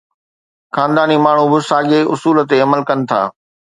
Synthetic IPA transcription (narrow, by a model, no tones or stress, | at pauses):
xaːnd̪aːnimaːɳ̤ubɪsaːɠeʔʊsuːlə̆t̪eɐməlkɐnɪ̆t̪ʰa̰ː